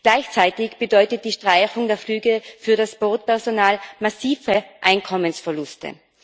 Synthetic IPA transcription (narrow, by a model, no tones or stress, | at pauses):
ɡ̥laɪçt͡saɪtɪçb̥ədɔʏtət̚d̥iːʃtʁ̥aɪçʊŋdeːɐflyːɡəfyːɐdasb̥oːtpɛɐzonaːlmasiːvəʔaɪnkʰɔmənsfɛɐlʊstə̰